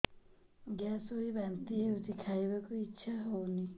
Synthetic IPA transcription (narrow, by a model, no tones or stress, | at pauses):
ɡjasoɦibant̪ieut̪ikʰajbakuitːʃʰaɦowni